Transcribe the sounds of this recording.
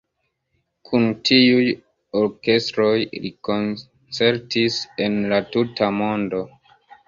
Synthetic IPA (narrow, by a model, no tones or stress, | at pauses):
kʰuntʰiuj | oɾke̞stɾo̞jlḭko̞n | t͡se̞ɾtise̞nlatutamo̞ndo̞